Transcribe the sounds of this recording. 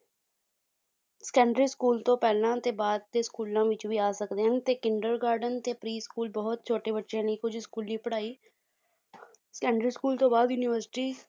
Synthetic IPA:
skɛːɳɖɾiːskuːlt̪õːpɛːlãːt̪eːbaːd̪̚t̪eːskuːlãːʋɪt͡ʃʋiːaːsəkd̪eːɦənt̪eːkɪɳɖəɾɡaːɾɖənt̪eːpɾiːskuːlbɔːt̪̚t͡ʃʰoːʈeːbəʈːʃẽːniːkʊd͡ʒʱskuːliːpəɽaːiː | skɛːɳɖɾiːskuːlt̪õːbaːd̪juːniːʋəɾsʈiː

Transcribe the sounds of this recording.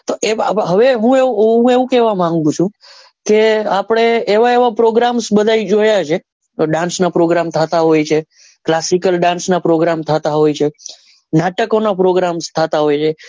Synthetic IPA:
t̪oʔeɦəʋeɦũeɦũeʋũkɛʋamãŋɡũt͡ʃʰũ | keapɽ̃eːʋaeʋapɾoɡɾamsbəd̪ʱajd͡ʒojat͡ʃʰe | ɖãnsnapɾoɡɾamt̪ʰət̪aɦojt͡ʃʰe | klasikəlɖãnsnapɾoɡɾamt̪ʰət̪aɦojt͡ʃʰe | naʈəkonapɾoɡɾamst̪ʰət̪aɦojt͡ʃʰe

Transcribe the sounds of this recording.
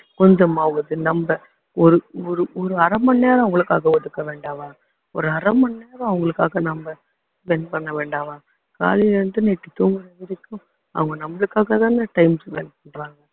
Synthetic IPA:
kɔɲd͡ʒɐmaːɣɐðɯnɐmbɐ | ɔɾɯɔɾɯʔɔɾɯɐɾɐmɐnːeːɾɐ̃ɐʋɐŋɡɐɭɯkːaːɣɐʋɔt̪ːɯkːɐʋeːɳɖaːʋãː | ɔ̰ɾɯɐɾɐmːɐnːeːɾɐ̃ɐʋɐŋɡɐɭɯkːaːɣɐnɐmbɐ | bɛnpɐɳːɐʋeːɳɖaːʋãː | ka̰ːlilɐnʈ̪ɯnɛʈːɯt̪uːŋɡɯɾɐðɪɾɯkːʊ̃ | ɐ̰ʋɐŋɡɐnɐmbɐɭɯkːaːɣɐt̪ãːnɐʈɐɪmsbɛnp̚ɐɳɖɾaːŋɡɐ

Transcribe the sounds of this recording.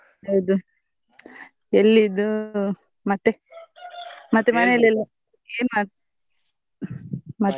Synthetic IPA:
ɐjd̪u | elːid̪u | mɐt̪ːe | mɐt̪ːemɐnelelːɐ | eːnma | mɐt̪ː

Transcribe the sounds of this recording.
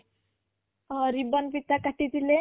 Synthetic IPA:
ɾibənpit̪akaʈid̪ile

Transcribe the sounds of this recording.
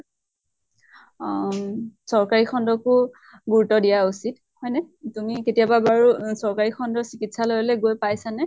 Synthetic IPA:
sɔɹkaɹixʰɔndɔkʊ | ɡuɹutːɔdijausit | hɔjnɛtumiketijababaɹusɔɹkaɹixʰɔndɔsikitsalojɔlɛɡojpajsanɛ

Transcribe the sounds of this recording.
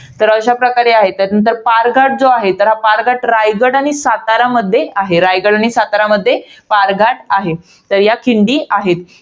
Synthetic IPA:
t̪əɾəɕapɾəkaɾeaɦet̪anənt̪̬əɾpaɾɡʱaʈ̚d͡zoaɦet̪əɾɦapaɾɡʱaʈɾajɡəɽaɽ̃isat̪aɾaməd̪ʱːjeaɦeɾajɡəɽaɽ̃isat̪aɾaməd̪ʱːjepaɾɡʱaʈaɦe | t̪əɾjakʰiɳɖiːaɦet̪

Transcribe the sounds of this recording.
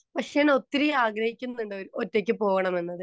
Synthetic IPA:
pɐkʂejɐno̞t̪ːiɾijaːɡɾɐhikʲːunːuɳɖɨoɾotːe̞kʲːɨpo̞ːɣɐɳɐmenːɐðɨ

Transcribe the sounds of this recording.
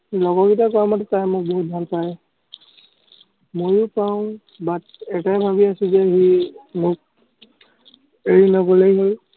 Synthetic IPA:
lɔɡɔkitakɔamatɛtajmʊk̚bɔɦut̚dʱanpaɹɛ | mojʊpaʊ̃ | bat̚ɛtajbʱabiasizɛɦimʊk̚ | eɹinakɔlejɡɔl

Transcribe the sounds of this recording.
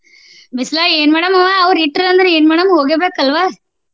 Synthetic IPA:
ʋɪslaːeːnmɛɽɐmɐʋaɐʋɐɾiʈːɾɐnd̪ɾɯeːnmɛːɽɐmhoːɣebeːkɐlʋaː

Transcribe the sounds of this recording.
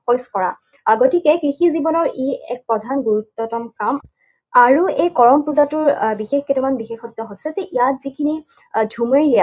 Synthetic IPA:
pɔjskɔɹa | aɡotikɛkɹixizibɔnɔɹiɛ̰k̚pɹɔdʱanɡuɹutːɔtɔmkɹam | aɹuejkɔɹɔmpuzatʊɹbixexketimanbixexɔtːɔɦosɛzɛʔijat̚zikʰini | dʱumeɹia

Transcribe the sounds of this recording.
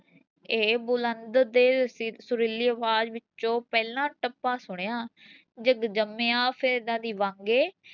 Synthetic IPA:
eːbʊlənd̪d̪eːsʊɾɪliːəʋaːd͡ʒʋɪt͡ʃõːpɛːlãːʈəpãːsʊɳejãː | d͡ʒəɡd͡ʒəmːeːãːpʰɪɾd̪ãːd̪iːʋãŋɡeː

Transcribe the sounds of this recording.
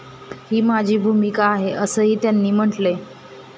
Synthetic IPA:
hiːmad͡ʑʱiːbʱumikaːɦeʔəsəːɦiːt̪janːiːm̤əɳʈle

